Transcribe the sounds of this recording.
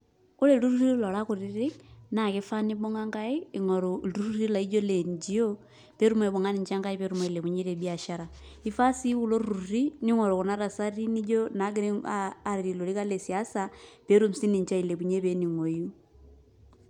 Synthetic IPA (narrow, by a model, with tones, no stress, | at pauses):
u˦le˨lu˦ru˦ri˦u˦lo˨la˦ku˨ɾi˦ɾi˦na˨ke˦fa˦ni˦bo˦ŋa˦ŋɡa˦i˦i˨ŋo˨ɾoɾu˦ɾu˦ɾi˦la˨i˦d͡ʒo˦le˨ɲd͡ʒio˦ | pe˦ɾu˦me˨βo˨ŋa˦ni˨ɲt͡ʃa˦ŋɡa˦i˦pe˦ɾu˦ma˨i˨le˨βu˨ɲe˦ɾe˨biaʃa˦ɾai˨fa˦si˦u˨lo˦ɾuɾu˨ɾi˦ni˦ŋo˨ɾo˨ku˨na˦ɾa˨sa˦ri˦ni˦d͡ʒo˦na˨˦ɡe˦ɾiaː˨ɾiɾi˨lo˨li˦ka˦le˨si˨asape˦ɾu˦m̩si˦ni˨ɲt͡ʃa˦i˨le˨βu˨ɲe˦βe˦ni˨ŋo˨ju˦